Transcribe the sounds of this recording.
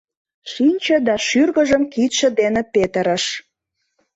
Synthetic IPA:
ʃinʲt͡ɕə̆d̪ɑʃyrɣə̆ʒəmkit̪ʃə̆d̪enepet̪ə̆ɾə̆ʃ

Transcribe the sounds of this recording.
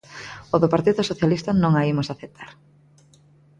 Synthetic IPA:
oðopaɾt̪iðʊsoθjalist̪ɐnõŋaimʊsaθet̪ʰaɾ

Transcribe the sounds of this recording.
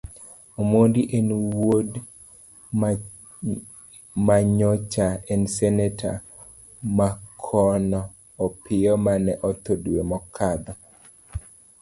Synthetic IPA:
omondiʔenwod | maɲɔt͡ʃaɛnsɛnɛtʰa | makʰɔnɔː | pɪjɔmanɛʔɔt̪odwemɔkʰad̪ɔ

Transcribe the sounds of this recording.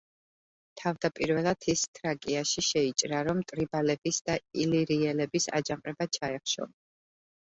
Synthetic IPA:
t̪ʰavd̪apʼiɾvɛlˠat̪ʰist̪ʰɾakʼiaʃiʃɛit͡ʃʼɾaɾɔmt̪ʼɾibalɛbisd̪ailiɾiɛlɛbisa̰d͡ʒamqʼɾɛbat͡ʃʰaɛχʃɔ̰n

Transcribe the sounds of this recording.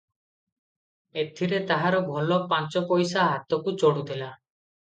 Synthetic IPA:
et̪ʰiɾet̪aɦaɾɔbʱɔlɔpant͡ʃɔpɔjsaɦat̪ɔkut͡ʃoɽud̪ela

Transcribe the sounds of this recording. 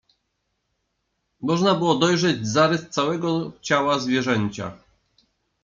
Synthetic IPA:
mɔʐnabɘwɔd̪ɔjʐɛd͡ʑzaɾɘst̪sawɛɡɔt͡ɕawazvʲjɛʐɛɲʲt͡ɕa̰

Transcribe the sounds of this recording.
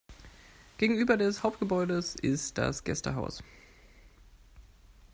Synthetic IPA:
ɡ̥eːɡŋ̩yːbɐdɛshaʊp̚t̚ɡ̥əbɔʏdəsʔɪstd̥a̰sɡ̥ɛstə̰ɦa̰ʊs

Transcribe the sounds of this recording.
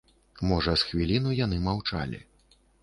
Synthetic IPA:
mɔʐɐsxvʲilʲinujanɨmawt͡ʂa̰lʲḭ

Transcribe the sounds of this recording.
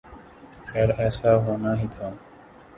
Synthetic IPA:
ɛɾɛsaɦonaɦit̪ʰa

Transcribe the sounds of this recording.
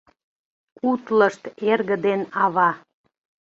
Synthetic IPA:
kut̪ləʃt̪erɣə̆d̪enɑβɑ

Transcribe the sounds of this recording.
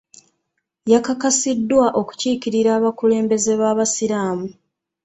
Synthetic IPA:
jakakasidːwaʔo̞ku̥ciːkiɾiɾaːβakule̞ːmbe̞ze̞βaːβasiɾaːmu

